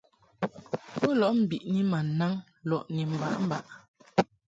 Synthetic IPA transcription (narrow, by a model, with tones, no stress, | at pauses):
bu˦lɔ˨ʔm̩˨bi˨ʔni˦ma˨na˦ŋ | lɔ˨ʔni˨m̩˨ba̰˨˦ʔm̩˦˨ba˨ʔ